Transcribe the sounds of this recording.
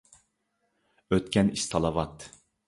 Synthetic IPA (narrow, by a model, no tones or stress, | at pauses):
øt̪kʲɛnist̪ʰɑlˠɑvɑt̪